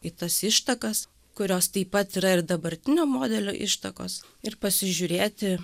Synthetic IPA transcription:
it̪ɐsɪʃt̪ɐkɐs | kʊɾʲoːst̪ɐɪpːɐt̪iːɾɐɪɾd̪ɐbɐɾʲt̪ʲɪnʲoːmoːd̪ʲɛlʲo̰ːʔɪʃt̪ɐko̰ːs | ɪɾpɐsʲɪʒʲʊɾʲeːt̪ʲɪ

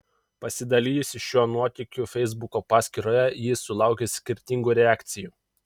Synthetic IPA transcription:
pɐsʲɪd̪ɐlʲiːjʊsʲɪʃʲjuɔnuɔt̪ʲɪkʲʊfʲɛɪzbʊkoːpɑːsʲkʲiɾoːjɛjɪsʊlˠɑˑʊkʲesʲkʲɪɾʲt̪ʲɪŋɡuːɾʲɛæːkʲt̪sʲɪjuː

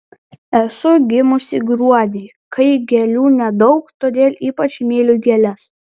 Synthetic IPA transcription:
ɛsʊɡʲɪmʊsʲɪɡɾuɔd̪ʲeː | kʰɐɪɡʲɛlʲuːnʲɛd̪ɐʊkt̪oːd̪ʲeːlʲiːpɐt͡ʃʲmʲeːlʲʊɡʲɛlʲɛs

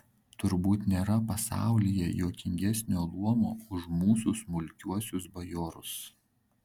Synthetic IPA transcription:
t̪ʊɾbuːt̪nʲeːɾɐpɐsɑ̰ˑʊlʲijɛjoːkʲɪŋʲɡʲɛsʲnʲoːlˠuɔmo̰ːʊʃmuːsʊsmʊlʲkʲuɔsʲʊsbɐjoːɾʊs

